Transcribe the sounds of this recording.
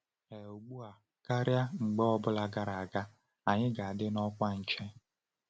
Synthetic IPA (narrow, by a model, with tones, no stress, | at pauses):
e˨o˨ɡ͡bu˦a˨ | ka˦ɾja˦ŋ͡m̩˨ɡ͡bɔ˦ɔ˦bʊ˦la˨ɡa˦ɾa˨a˨ɡa˦ | a˨ɲɪ˦ɡa˨a˨dɪ˦nɔ˦kʷa˦n̩˨t͡ʃe˦